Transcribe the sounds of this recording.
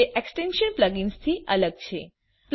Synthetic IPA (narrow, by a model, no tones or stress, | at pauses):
eʔeksʈenʃənpləɡinst̪ʰiələɡ̚t͡ʃʰe | pl